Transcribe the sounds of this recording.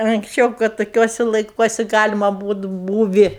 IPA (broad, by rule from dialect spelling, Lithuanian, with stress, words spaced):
ɐŋksʲˈt͡ʃʲɛʊ kɐt toːˈkʲuɔsʲɪ lˠɐɪˈkuɔsʲɪ ˈɡɑːlʲɪmɐ ˈbuːt ˈbuːʋʲɪ